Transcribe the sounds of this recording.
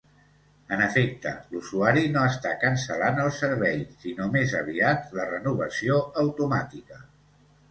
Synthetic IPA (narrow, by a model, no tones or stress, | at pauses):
ənəfek̚t̪ə̰lusuaɾinoəst̪akənsəlanəlˠsəɾβɛjsinomezəβ̞iat̪lərənuβ̞əsioəwt̪umat̪ikə